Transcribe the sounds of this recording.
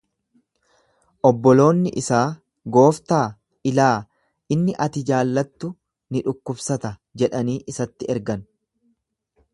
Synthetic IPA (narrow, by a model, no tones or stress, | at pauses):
ʔɔbːɔlo̞ːnːɪʔɪsaː | ɡo̞ːft̪aː | ɪlaː | ʔɪnːɪʔɐt̪ɪd͡ʒaːlːɐt̪ːʊ | nɪᶑʊkːʊbsɐt̪ɐd͡ʒɛᶑɐniːʔɪsɐt̪ːɪɛɾɡɐn